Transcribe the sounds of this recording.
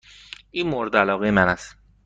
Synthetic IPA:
ʔiːmoɾd̪ælɒːɣejemænæs

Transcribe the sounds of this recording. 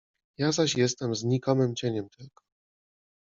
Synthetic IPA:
jazaɕjɛs̬t̪ɛmzɲikɔmɘmt͡ɕeɲɛmt̪ʰɛɡ̥ɔ̥

